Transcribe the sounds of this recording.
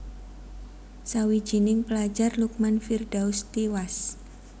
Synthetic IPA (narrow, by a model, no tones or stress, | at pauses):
sawi̥ʒ̥inɪŋpəlḁd͡ʒarluk̚manfird̥aust̪iwas